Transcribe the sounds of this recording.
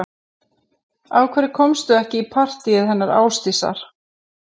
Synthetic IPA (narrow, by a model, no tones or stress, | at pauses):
awkʰvɛːɾɪkʰɔmst̪ʏɛhcɪipʰar̥t̪iɪðhɛnːaɾa̰ːwst̪isa̰ɾ̥